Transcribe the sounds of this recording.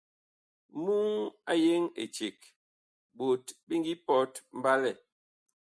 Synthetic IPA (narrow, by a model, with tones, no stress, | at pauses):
mu˦ŋa˦je˦ŋḛ˨t͡ʃe˨k | bo˨tbi˦ŋ˦ɡi˦pɔ˦tm̩˦ba˦lɛ˨